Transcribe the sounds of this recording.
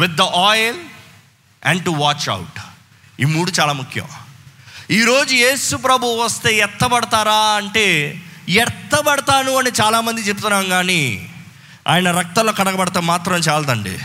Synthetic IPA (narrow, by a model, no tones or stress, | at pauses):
ʋid̪ːɐʔɔːjl | ɛ̰ɳɖʈuʋaːt͡ʃɐ̰wʈ | iːmuːɽut͡ʃaːlaːmukʰjɐ̰m | iːɾo̞ːd͡ʒujeːsup̬ɾɐbʱuʋɐst̪e̞ːɛɾt̪ːɐbɐɽɐt̪aːɾaːɐɳʈe̞ːjɛɾt̪ːɐbɐɽɐt̪aːnuɐnit͡ʃaːlaːmɐnd̪it͡ʃep̬ut̪unːaːmɡaːniː | a̰ːjɐnɐɾɐk̚t̪ɐloːkɐɽɐɡɐbɐɽɐt̪ɐmːaːt̪ɾɐmt͡ʃaːlɐd̪ɐɳɖḭ